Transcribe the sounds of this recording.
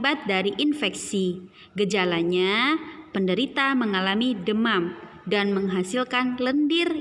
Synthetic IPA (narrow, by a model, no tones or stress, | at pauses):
bat̪̚daɾiʔinfɛksi | ɡəd͡ʒalaɲapəndəɾit̪aməŋalamidəmam | danməŋɦasilkanləndɪr